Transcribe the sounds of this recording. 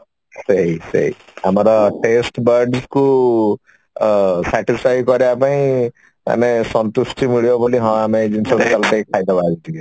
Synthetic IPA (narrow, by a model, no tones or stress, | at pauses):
seɦisḛɦḭamɔɾɔʈesʈbəɾɖsku | saʈisfʰajkɔɾiapaĩ | a̰nesɔnt̪usʈʰimiɭijobɔliɦɔ̃amed͡ʒinsʰɔbit͡ʃalteikʰajd̪abad͡ʒd̪iɡe